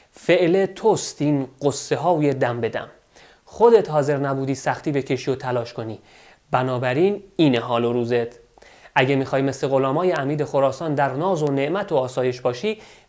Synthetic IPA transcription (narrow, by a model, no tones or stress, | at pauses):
fe̞ʔlet̪ʰost̪ʰiːnɢ̥osːe̞ɦɒːjed̪æmbe̞d̪æ̰m | χod̪e̞t̪hɒːze̞ɾnæbuːd̪iːsæxt̪iːbecʰe̞ʃijot̪ʰælɒːʃkʰo̞niː | bænɒːbæɾiːniːneɦɒːloɾuːze̞t̪ | ʔæɟemixɒːjme̞sle̞ɣo̞lɒːmɒːjeæmiːd̪e̞xoɾɒːsɒːnd̪æɾnɒːzo̞ne̞ʔmæt̪ʰoɒːsɒːje̞ʃbɒːʃiː